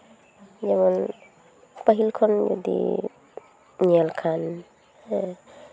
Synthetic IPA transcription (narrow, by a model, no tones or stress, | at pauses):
d͡ʒɛman | pəɦilkʰɔnd͡ʒo̰dḭ | nialkʰan | ɛ